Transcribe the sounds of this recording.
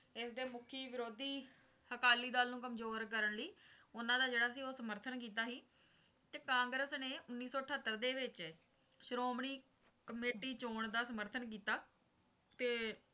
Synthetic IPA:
ɪsd̪eːmʊkʰːiːʋɪɾoːd̪iː | həkaːliːd̪aːlnũːkəmzoːɾkəɾəɳliːʊnãːd̪aːd͡ʒeːɽaːsiːoːsəməɾt̪ʰənkiːt̪aːɦiː | t̪eːkãːŋɡɾəsneːʊnːiːsɔːʈʰət̪ːəɾd̪eːʋɪt͡ʃ | ʃɾoːmɳiː | kəmeːʈiːt͡ʃoːɳd̪aːsəməɾt̪ʰənk̬iːt̪aː | t̪eː

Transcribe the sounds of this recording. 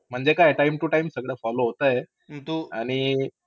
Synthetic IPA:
m̤əɳd͡zekajʈaimʈ̪uʈajmsəɡɭjafɔloɦot̪aje | t̪ua̰ɽ̃i

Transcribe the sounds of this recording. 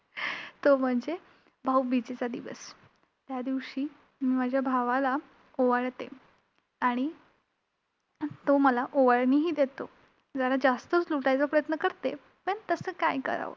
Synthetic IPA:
t̪om̤əɳd͡ze | bʱawbit͡set͡sad̪iʋə̰s | t̪jad̪iʋɕiː | miːmad͡ʑʱjabʱaʋala | oʋəɭt̪ḛ | aɽ̃i | t̪oməlaʔoʋəɭniːɦiːd̪et̪o | d͡zəɾad͡zast̪ət͡sluʈajt͡sapɾəjət̪nəkəɾt̪e | pəɳt̪əsəːkajkə̰ɾa̰ʋo̰

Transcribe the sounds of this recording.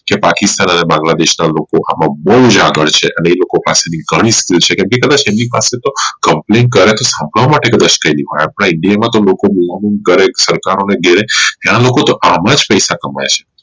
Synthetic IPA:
kepakɪst̪anənebãŋɡlad̪eʃnalokoʔamãbəud͡ʒaɡəɭt͡ʃʰeʔəneːlokopaseniɡʱəɽ̃ĩskilt͡ʃʰekɛmikəd̪at͡ʃemnipaset̪okəmplenkəɾet̪osãmbʱəɭʋamaʈekəd̪aʃkəiliɦojapəɽ̃aɪɳɖijamãt̪olokomilaminkəɾesəɾkaɾoneɡʱeɾet̪jañalokot̪oʔamãd͡ʒpəjsakəma̰jt͡ʃʰe̥

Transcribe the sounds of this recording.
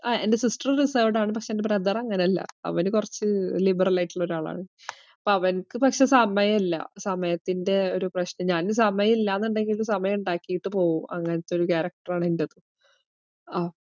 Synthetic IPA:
aːḛndesisʈrɾriseːʋɖaːɳɨpɐkʂeendeprɐd̪ɐrɐŋːɐneɐlːɐ̰ɐ̰ʋɐnɨkurɐt͡ɕːɨlibɐrɐlaːjiʈːuɭːɐo̞ɾuaːɭa̰ːɳɨ | ɐpːoɐʋɐnkːɨpɐkʂe̞sɐmɐjɐmilːɐ̰sɐmɐjɐt̪ːinde̞o̞ɾuprɐɕnɐɲaːnɨsɐmɐjɐmilːaːnːuɳɖe̞ŋɡilumsɐmɐjɐmuɳɖaːkːijiʈːɨpo̞ːʋumɐ̰ŋːɐnɐt̪ːeo̞ɾukaːɾɐk̚ʈɐraːɳindɐðɨ | aː

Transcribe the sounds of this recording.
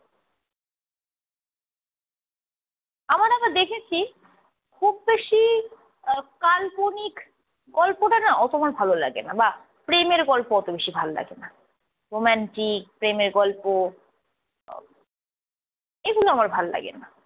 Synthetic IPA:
amaɾakaɾd̪ekʰet͡ɕʰi | kʰubːeʃi | kalponik | ɡɔlpoʈanaʔɔt̪oamaɾbʱalola̰ɡḛnaba | pɾemeɾɡɔlpoɔt̪obeʃibʱalola̰ɡena | ɾomɛnʈik̚pɾemeɾɡɔlpo | eɡuloamaɾbʱalola̰ɡḛna

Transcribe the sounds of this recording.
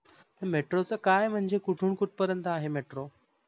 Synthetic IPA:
t̪əmeʈɾot͡səkajm̤əɳd͡zekuʈʰuːɳkuʈ̚ʰpəɾjənt̪aɦemeʈɾo

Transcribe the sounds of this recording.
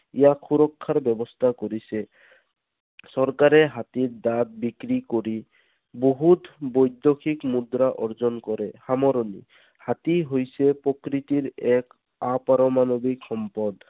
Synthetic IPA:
ijakʰuɾɔkʰːaɾbɛbɔst̪ʰakoɾise | sɔɾkaɾeɦat̪iɾd̪at̪̚bikɾikoɾi | boɦut̪bɔjd̪jokʰikmud̪ɾaʔɔɾzɔnkɔɾehamɔɾɔnḭ | hat̪iɦojsepɾɔkɾit̪iɾɛk | apaɾɔmanɔbiksɔmpɔd̪

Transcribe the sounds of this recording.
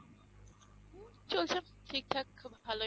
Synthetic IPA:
t͡ɕolt͡ʃʰam | t̪ʰik̚t̪ʰakʰbʱalo

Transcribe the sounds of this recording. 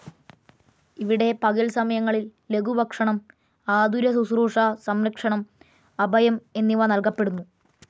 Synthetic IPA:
iʋiɽe̞pɐɣɐlsɐmɐjɐŋːɐɭilːe̞ɡʱubʱɐkʂɐɳɐm | aːd̪ʱuɾɐsusruːʂɐsɐmɾɐkʂɐɳɐm | ɐbʱɐjɐme̞nːiʋɐnɐlkɐpːe̞ɽunːu

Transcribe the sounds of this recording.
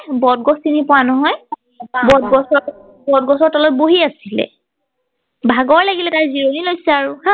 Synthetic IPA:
bɔd̚ɡɔstinipʊwanɔɦɔj | bɔdɡɔsɔ | bɔdɡɔsɔɹtɔlɔboɦiasilɛ̰ | bʱaɡɔɹlaɡilɛtajziɹonilojsɛaɹuhã

